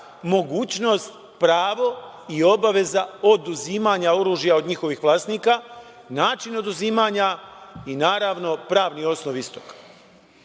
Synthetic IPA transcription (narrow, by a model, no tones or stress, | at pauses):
mo̞ɡuːt͡ɕno̞ːst̪ | pɾaːʋo̞ | io̞baʋe̞zao̞d̪uziːmaːɲao̞ɾuːʒjaod̪ɲixo̞ʋixʋlˠaːsniːka | naːt͡ʃino̞d̪uziːmaːɲainaːɾaʋno̞pɾaːʋnio̞snoʋist̪okḁ